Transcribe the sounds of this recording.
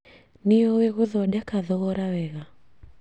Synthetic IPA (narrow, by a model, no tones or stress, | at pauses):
nijɔwɛɣuðɔɗakaðɔɣɔɾawɛɣa